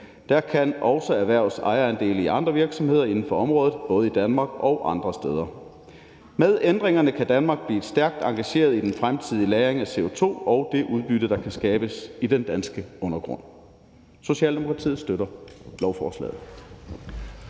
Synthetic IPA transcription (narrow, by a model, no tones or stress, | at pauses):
d̥æɐkʰænɒ̽ʊsɒæʋæɐʊ̰sɑ̈ɪɐænd̥e̝̰ːləiʔɑ̈nd̥ʁɐʋiɐɡ̥sɒ̽mhe̝ð̰ˠɐe̝nn̩fɒ̽ɒ̽mʁɔːð̩ˠb̥ɔ̽ːð̞̩ˠid̥ænmɑ̈ɡ̥ɒ̽ʊʔɑ̈nd̥ʁɐsd̥eːðˠɐ | með̞ˠend̥ʁeŋɐnəkʰæd̥ænmɑ̈ːɡ̥̚b̥lḭːed̥sd̥æɐɡ̥̚d̥ɑ̈ŋɡ̥æɕe̝̰ːɐð̞ˠid̥enfʁamt͡sʰið̞̰ˠilæːʁeŋæse̝ot͡sʰo̝̰ːɒ̽ʊd̥e̝ʔuð̞ˠb̥yɾ̥ðd̥ɑ̈kʰæsɡ̥ɛːb̥əsid̥end̥ænsɡ̥əɔ̽nɐɡ̥ʁɔ̽n̰ | so̝ɕɛ̰ːld̥emo̝kʰʁɑ̈t͡sʰḭːð̩ˠsd̥øɾɐlɒʊfɒ̰ːslɛ̰ːð̩ˠ